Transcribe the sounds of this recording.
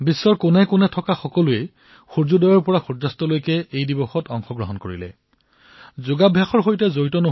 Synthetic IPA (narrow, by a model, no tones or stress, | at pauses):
bisːɔɹkʊnɛkʊnɛtʰɔkaxɔkɔluɛ | xuɹzudɔjɔɹpɔɹaxuzastɔlojkɛʔejdibɔxɔtɔŋxɔɡɹɔɦɔnkoɹḭlɛ̰ | zʊɡabʱjaxɔɹɦojtɛzoɹitɔno